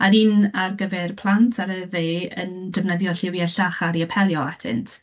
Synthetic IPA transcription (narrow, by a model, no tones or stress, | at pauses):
aniːnarɡəvɛrpʰlˠantʰaɾəveə̰ndəvnəðjɔɬɪwjaɬaχaɾiəpʰɛlˠjɔatʰɪ̰ntʰ